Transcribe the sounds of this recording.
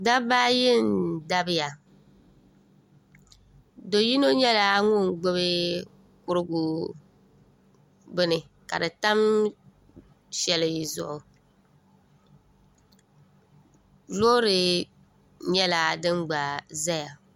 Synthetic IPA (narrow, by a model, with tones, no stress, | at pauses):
da˦baː˦jɪ˦˨nda˦bɪ˦ja˨ | do˨ji˦no˦ɲɛ˦la˦ŋʊ˦˨ŋɡ͡bʊ˦βɨ˦ | kʊ˦ɾɨ˦ɡʊ˨ | bɨ˦nɨ˨ | ka̰˨dɨ˨ta˦m | ʃɛ˨lɨ˨ji˨zʊ̰˨ʔʊ˨ | lo˦ɾɨ˨ | ɲɛ˦la˨dɨ˦ŋ͡mɡ͡ba˨za˦ja˨